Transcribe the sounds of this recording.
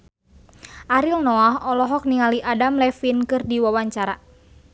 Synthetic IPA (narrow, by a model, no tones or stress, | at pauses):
ʔaɾilnɔaɦɔlɔɦɔk̚niŋaliʔadamlɛfinkɨrdiwawaɲt͡ʃaɾa̰